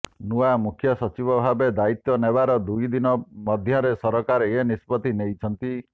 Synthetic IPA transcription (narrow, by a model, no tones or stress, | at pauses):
nuamukʰjɔsɔt͡ʃibɔbʱabed̪ait̪ːɔnebaɾɔd̪ujd̪inɔmɔd̪ʱjɔɾesɔɾɔkaɾɔenispɔt̪inejt͡ʃʰɔnt̪i